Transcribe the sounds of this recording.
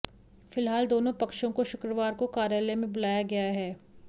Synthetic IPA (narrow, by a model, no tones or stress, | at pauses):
fɪlɦaːld̪oːnõpɐkʃõkoʃʊkɾəʋaːɾkokaːɾjaːlemẽbʊlaːjaɡɐjaɦɛː